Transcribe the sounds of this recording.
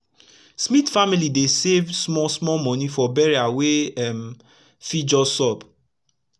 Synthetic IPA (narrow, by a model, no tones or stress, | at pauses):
smitfamilidesevsmɔsmɔmɔ̃nifɔbɛɹiaweɛm | fid͡ʒɔsɔb